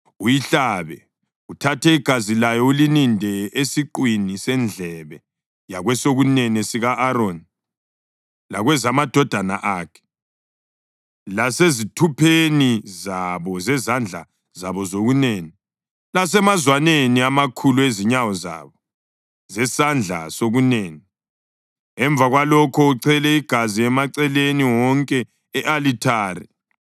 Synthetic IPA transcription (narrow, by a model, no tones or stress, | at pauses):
ujiɬaβɛ̰ | utʰatʰɛiɡ̥ʱazilajɔulinindʱɛesiǃwinisɛnd͡ɮʱɛβɛ | jaɣwɛsoɣunɛnɛsiɣaʔːɾoni | laɣwɛzamad̥ʱɔd̥ʱana̰ʔaːkʰɛ̥ | lasezitʰupʰenizaβɔzɛzand͡ɮʱa̰ | zaβɔzoɣuneːni | las̬ɛmazwaneniamakʰulueziɲawɔza̰βɔ | zɛsand͡ɮʱa̰soɣuneːni | ɛɱb̪vʱaɣwalɔkʰɔuǀʰɛlɛiɡ̥ʱaziɛmaǀɛleniwɔŋkʼɛː | ʔalitʰaːɾḭ